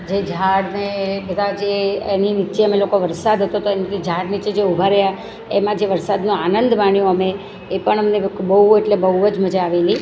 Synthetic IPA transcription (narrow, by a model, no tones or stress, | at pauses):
d͡ʒed͡ʒʱaɽnebəd̪ʱad͡ʒeeninit͡ʃeəmelokoʋəɾsad̪ʱɦət̪ot̪oenid͡ʒʱaɽnit͡ʃed͡ʒeubʱaɾəja | emãd͡ʒeʋəɾsad̪nũanənd̪maɳjõəmeː | pəɳəmənebəɦueʈlebəuəd͡ʒməd͡ʒaaʋeli